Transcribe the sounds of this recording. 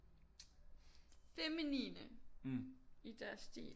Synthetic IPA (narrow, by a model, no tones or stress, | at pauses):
feminḭːnə | id̥æɐsd̥ḭːl